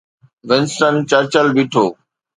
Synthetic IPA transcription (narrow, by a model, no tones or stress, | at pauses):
ʋɪnsʈənt͡ɕəɾt͡ɕəlbiʈʰoː